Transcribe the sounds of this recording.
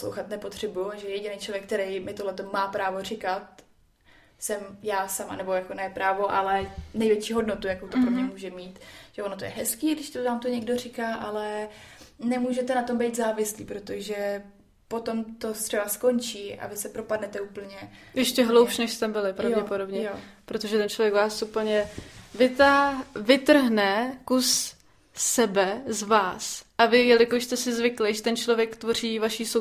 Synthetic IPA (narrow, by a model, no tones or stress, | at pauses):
slo̰wxat̪nɛpot̪r̝̥ɛbujuʒɛjɛɟɪnejt͡ʃlovjɛk̚t̪ɛɾejmɪt̪oɦlɛt̪o̞maːpɾaːvo̞r̝ɪkat̪̚ | sɛmjaːsama̰nɛbo̞jako̞nɛpɾaːvo̞ʔalɛnɛjvjɛt͡ʃiːɦo̞dnot̪ujakowt̪opɾomɲɛmuːʒɛmiːt̪ʒ̥ɛonot̪ojɛ̰ɦɛskiːdɪʃt̪ovaːmt̪oɲɛɡdo̞r̝ɪkaːʔalɛ | nɛmuːʒɛt̪ɛnat̪o̞mbɛjt̪zaːvɪsliːpɾot̪oʒɛ | pot̪o̞mt̪ot̪r̥ɛbasko̞nt͡ʃiːʔa̰vɪsɛpɾopadnɛt̪ɛuːpl̩ɲɛjɛʃcɛɦlowpʃnɛʃst̪ɛbɪlɪpɾavɟɛpodo̞bɲɛjopɾot̪o̞ʒɛt̪ɛnt͡ʃlovjɛkvaːsupl̩ɲɛvɪt̪avɪt̪r̩ɦnɛkusː | ɛbɛzvaːsʔavɪjɛlɪkoʃst̪ɛsɪzvɪklɪʒɛt̪ɛnt͡ʃlovjɛkt̪vo̞r̝iːvaʃiːso